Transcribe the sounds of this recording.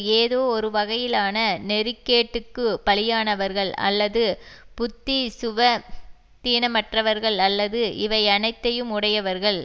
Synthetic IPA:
eːðoːɔɾɯʋɐɣɐjɪlaːnɐnɛɾɯkːeːʈːɯkːɯpɐɭɪjaːnɐʋɐɾɣɐɭɐ̰lːɐðɯpʊt̪ːisʊʋɐ | t̪iːnɐmɐʈrɐʋɐɾɣɐɭɐlːɐðɯʔɪʋɐɪɐnɐɪt̪ːɐjɯmʊɽɐjɐʋɐɾɣɐɭ

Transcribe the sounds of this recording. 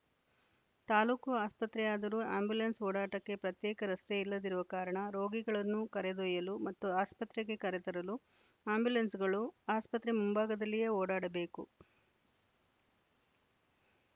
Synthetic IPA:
t̪aːluːkuaːspɐt̪ɾɛjaːd̪ɐɾuːa̰ːmbjulɐnsoːɽaːʈɐkːe̞pɾɐt̪jɛːkɐɾɐst̪eilːɐd̪iɾuʋɐkaːɾɐɳɐɾo̞ːɡiɡɐɭɐnːukɐɾed̪oːjɐlumɐt̪ːuaːspɐt̪ɾeɡe̞kɐɾɛt̪ɐɾɐlu | aːmbjulɐnsɡɐɭuaːspɐt̪ɾemumbaːɡɐd̪ɐlːije̞ːoːɽaːɽɐbe̞ːkṵ

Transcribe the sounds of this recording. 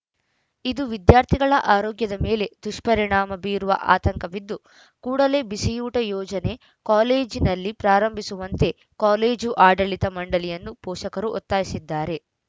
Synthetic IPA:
id̪uʋid̪jaːɾt̪ʰiɡɐɭɐʔaːɾoːɡjɐd̪ɐme̞ːle̞d̪̥uʂpɐɾiɳaːmɐbiːɾuʋɐ̰ʔa̰ːt̪ɐŋkɐʋid̪ːu | kuːɽɐle̞bisijuːʈɐjɔːd͡ʒɐne̞ | kaːle̞ːd͡ʒinɐlːipɾaːɾɐmbʱisuʋɐnt̪e̞ | kaːle̞ːd͡ʒuʔaːɖɐɭit̪ɐmɐɳɖɐlijɐnːupɔːʃɐkɐɾuʔot̪ːaːjisid̪ːaːɾe̞

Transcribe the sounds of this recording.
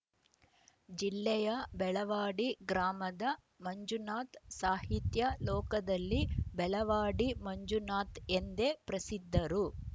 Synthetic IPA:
d͡ʒilːɛjɐbɛɭɐʋaːɽiɡɾaːmɐd̪ɐ | mɐɲd͡ʒunaːt̪saːɦit̪jɐlɔːkɐd̪ɐlːibɛɭɐʋaːɽimɐɲd͡ʒunaːt̪end̪e̞pɾɐsid̪ʱːɐɾu

